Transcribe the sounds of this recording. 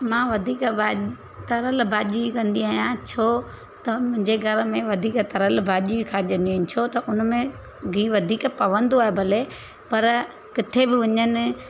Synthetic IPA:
mãːʋɐd̪ʱiːkbaː | t̪ɐɾəlbʱaːʄuikɐ̃nd̪iaːɦijãt͡ɕʰo | t̪ɐmʊ̃ɦɪ̃ɲd͡ʑeɡʱɐɾmẽʋɐd̪ʱiːkt̪ɐɾəlbʱaːʄuikʰaːʄə̃nd̪iõnɪt͡ɕʰot̪ɐʔʊnmẽ | ɡʱiːʋɐd̪ʱiːkpɐʋə̃nd̪aːebʱɐle | pɐɾ | kɪt̪ʰebɪʋɐɲənɪ̆

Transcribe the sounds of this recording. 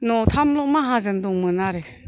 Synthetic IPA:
nɔtʰamlɔmaɦazɯndɔŋmɯnaɾe

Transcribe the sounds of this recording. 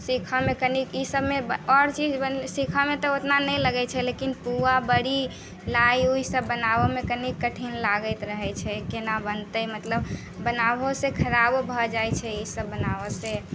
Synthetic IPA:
sikʰəmekənikisəbmebəɔɾt͡ʃid͡ʒbənsikʰəmet̪ɔot̪nanɛjləɡɛt͡ʃʰɛlekinpuabəɽi | laiuisəbːənabɔmekənikːəʈʰinlaɡəɪt̪ɾəɦɛt͡ʃʰɛkenabənt̪əmət̪ləbː | ənabosekʰəɾabbʱɔd͡ʒajt͡ʃʰɛisəbːənaʋɔse

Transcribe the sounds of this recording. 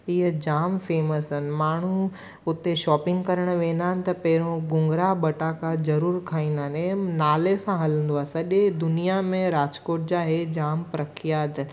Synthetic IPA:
ɪɦəd͡ʑaːmfeːməsɪn̆maːɳ̤u | ʊt̪eʃɔːpɪ̃ŋɡkɐɾəɽ̃ʋẽːnd̪aːɪnɪ̆t̪ɐpɐɦɪɾõɡʊ̃ŋɡɾaɓɐʈaːkazɐɾuːɾkʰaːĩːnd̪aːnenaːlesãɦɐlə̃nd̪oaːɦesɐʄed̪ʊnijamẽɾaːd͡ʑkoːʈ̚d͡ʑaːɦed͡ʑaːmpɾɐkʰijaːd̪n

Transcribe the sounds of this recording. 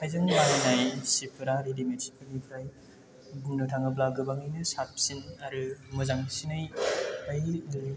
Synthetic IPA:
kʰajzɯŋlaɾinajsipʰɯɾaɾidimetsi̥pʰɯɾnipʰɾaj | ɡuŋnɯtʰaŋɐblaɡɯbaŋɯjnɯsap̚sinɐɾɯmɯzaŋsinajaj

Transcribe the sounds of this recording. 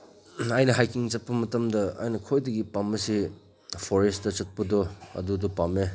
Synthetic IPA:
ajnɐɦajkiŋt͡ʃɐt̚pɐmɐtɐmdɐa̰jnɐkʰojdɐɡipamːɐsi | pʰoɾestdɐt͡ʃɐt̚pɐdɔɐ̰dudɔpame

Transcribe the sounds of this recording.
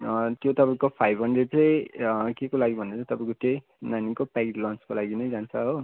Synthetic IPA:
t̪jot̪ʌpaĩkopʰajbʱɦʌnɖreɖ̚t͡sʌjkekolaɡibʱʌnd̪at͡sʌ̃t̪ʌpãĩkot̪ej | nanikopakelʌnt͡skolaɡinʌjd͡zant͡sʰʌɦo

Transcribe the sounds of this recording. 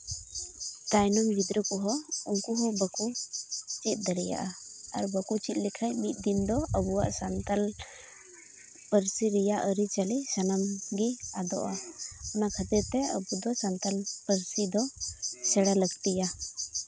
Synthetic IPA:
d̪̥ajnɔmbid̪ɾəkɔɦɔuŋkuɦɔbəkut͡ʃit̪̚ˀd̪əɾɛja̰ʔaaɾbəkut͡ʃit̪̚likʰajmit̪̚ˀd̪ind̪ɔəbuwa̰ʔsant̪al | pəɾsiɾɛjaʔəɾit͡ʃalisənamɡiad̪ɔ̰ʔaɔnakʰət̪ɛɾt̪ɛə̰bud̪ɔsant̪alpəɾsid̪ɔsɛɽaləɡt̪ija

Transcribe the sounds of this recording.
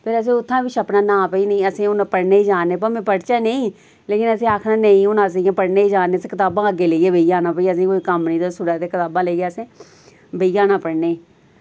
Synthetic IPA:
pʰɪɾəs̬ĩːʊt̪ʰːãːbɪt͡ʃəpnaːnãːpəiːnəĩːəsĩːʊnpəɽneːiːd͡ʒaːneːp̬əmẽːpəɽt͡ʃaːneĩː | leːkɪnəsĩːaːkʰnaːnəĩːʊnas̬ĩːãːpəɽneːiːd͡ʒaːneːsːkɪt̪aːbãːəɡeːləiːeːbəijaːnãːpəiːəsĩːkoːiːkəmnĩːd̪aːsʊɽãːt̪eːkɪt̪aːbãːləiːɡaːəsẽː | bəiːaːnaːpəɽneː

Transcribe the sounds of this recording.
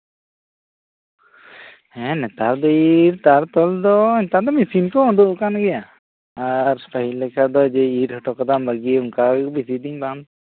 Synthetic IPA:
hɛ̃nɛt̪aɾd̪ɔiɾt̪aɾt̪ɔld̪ɔiɲt̪ad̪ɔmisinkɔɔd̪uʔkanɡɛja | aɾspaɦilɛkad̪ɔd͡ʒɛiɾhɔʈɔkad̪ambaɡiuŋkabisid̪iɲban

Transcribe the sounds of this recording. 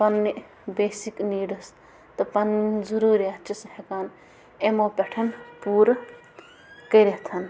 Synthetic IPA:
pɐnːi | beːsikniːɖɐs | t̪ɐpɐnzuɾuːɾiat͡ʃʰisɦekaːn | emoːpʲeʈʰɐnpuːɾ | kɐjɾeɦt̪ʰɐn

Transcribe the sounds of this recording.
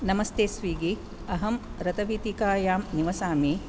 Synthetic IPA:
nɐmɐst̪eːsʋiːɡi | ɐɦɐmɾɐt̪ɐʋiːt̪ikaːjaːmniʋɐsaːmi

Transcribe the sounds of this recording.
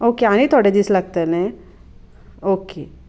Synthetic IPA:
oːkeãːnit̪ʰoːɽed͡ʒ̪islɐɡ̚t̪enẽ | oːkeː

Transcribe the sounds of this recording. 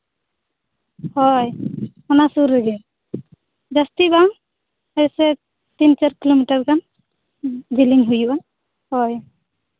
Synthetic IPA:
hɔj | ɔnasuɾːəɡɛ | zastibaŋ | esɛ | tint͡ʃaɾkilomitaɹkan | ziliŋɦujua | hɔj

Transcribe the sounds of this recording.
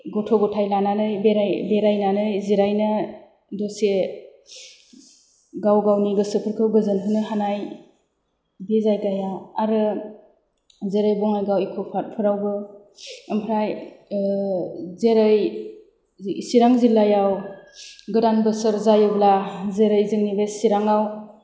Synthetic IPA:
ɡɔtʰɔɡɔtʰajlananɯjbeɾajbeɾajnanɯjziɾajnɯ | dɔse | ɡawɡawniɡɯsɯpʰəɾkʰɯwɡɯzɯnpʰɯnɯɦanaj | bezajɡajaːɾɯ | zeɾɯjbɔŋajɡawikʰɔpʰat̚pʰɯɾawbɯ | əmpʰɾaj | zeɾɯj | isiɾaŋzilajaw | ɡɯɾanbɯsəɾzajɯblazeɾɯjzɯŋnibesiɾaŋaw

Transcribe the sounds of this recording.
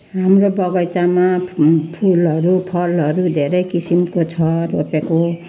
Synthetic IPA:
ɦamɾobʌɡʌjt͡samapʰulʌɾupʰʌlʌɾud̪ʱeɾʌjkisimkot͡sʰʌropeko

